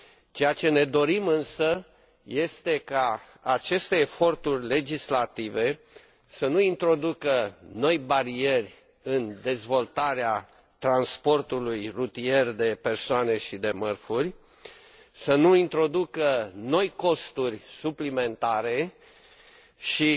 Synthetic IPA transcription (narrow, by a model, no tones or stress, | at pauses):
t͡ʃejat͡ʃe̞ne̞d̪o̞ɾimɨnsə | je̞st̪e̞ka | at͡ʃe̞st̪e̞ːfo̞rt̪urʲle̞d͡ʒislat̪ive̞ | sənuint̪ɾo̞d̪ukəno̞jbaɾie̞rʲ | ɨnd̪e̞zvo̞lt̪aɾea | t̪ɾanspo̞rt̪ulujrut̪ie̞rʲd̪e̞pe̞rsoane̞ʃid̪e̞mərfurʲ | sənuint̪ɾo̞d̪ukəno̞jko̞st̪urʲsuplime̞nt̪aɾe̞ | ʃi